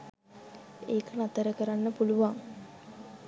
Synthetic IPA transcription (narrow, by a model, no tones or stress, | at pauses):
eːkənat̪əɾəkəɾanːəpuluʋaŋ